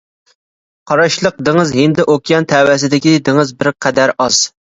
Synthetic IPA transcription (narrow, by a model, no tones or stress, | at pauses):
qʰɑɾɑʃlˠəq̚d̪ɪŋɨzɦɪnd̪ɪʔokʲjɑnt̪ʰɛwɛs̬ɪd̪ɪkʲid̪ɪŋɨzbɪɾqʰæd̪æɾɑz̥